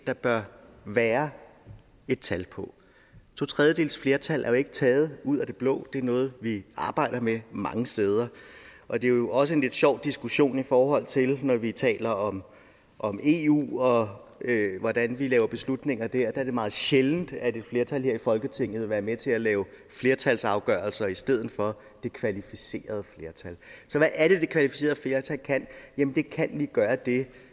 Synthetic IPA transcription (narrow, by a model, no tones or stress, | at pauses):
d̥ɑ̈b̥ɶɐʋæːɐ | e̝d̥̚t͡sʰælpʰɒ̽ | t͡sʰo̝t͡sʰʁɛðˠjəd̥e̝̰ːln̩sfle̝ːɐt͡sʰælʔæɐjoe̝ɡ̥ə̥t͡sʰɛːð̞̩ˠuð̞̰ˠæd̥e̝b̥lɔ̰̽ːd̥e̝æɐnɔ̽ːð̩ˠʋiɑ̈ːb̥ɑ̈ɪ̰ɾ̥ɐmemɑ̈ŋəsd̥eːð̞ˠɐʔɒ̽d̥e̝o̝ɒ̽s̬əe̝nle̝d̥ɕɒʊ̰d̥isɡ̥uɕo̝̰ːnifɒːɦɒ̽l̰t͡sʰe̝lnɒʋit͡sʰɛ̰ːlɐɒ̽m | ʔɒ̽me̝ṵːɒ̽øʋɒd̥ænʋilɛːʊɐb̥e̝slud̥ne̝ŋ̰ɐd̥æɐ̰d̥ææɐd̥e̝mɑ̈ːð̩ˠɕeln̩d̥æde̝d̥fle̝ɐt͡sʰælheɛɐ̰ifɒ̽lɡ̥ət͡sʰe̝ŋ̰ð̩eʋæːɐmet͡sʰe̝lælɛːʊ | fle̝ːɐt͡sʰælsɑ̈ʊɡ̥œ̰ːɐlsɐisd̥eð̞̰̩ˠfɒ̽ | d̥e̝kʰʋælifise̝̰ːɐð̞ˠəfle̝ɐt͡sʰælsɒ̽ʋæʔːɐɾ̥e̝d̥e̝kʰʋælifise̝̰ːɐð̩ˠfle̝ːɐt͡sʰælkʰæn̰jæmənd̥e̝kʰænʋiɡ̥ɶːɐd̥e̝